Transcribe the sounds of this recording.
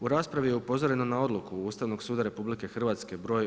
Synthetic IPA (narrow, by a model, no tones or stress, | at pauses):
uɾaːspɾaʋije̞upo̞zo̞ɾe̞no̞nao̞d̪lˠukuust̪aʋno̞ɡsuːd̪aɾe̞publike̞xrʋaːt̪ske̞bɾo̞ːj